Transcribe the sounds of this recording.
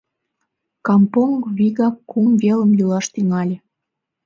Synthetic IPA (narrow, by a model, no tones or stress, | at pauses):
kɑmpoŋɡβiɣɑkːumveləmjulɑʃt̪yŋɑlʲĕ